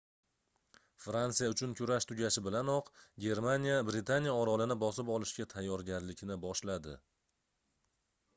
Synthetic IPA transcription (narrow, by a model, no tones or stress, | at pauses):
fɾantsijaʊt͡ʃʰʊnkʲʰʊɾaʃt̪ʰʊɡʲaʃɪbɪlanɒqɡʲe̞ɾmanʲijabɾɪt̪ʰanijaɒɾɒlɪnɪbɒsɪpɒlɪʃkʲat̪ʰajːɒɾɡʲaɾlɪkʲnɪbɒʃlad̪ɪ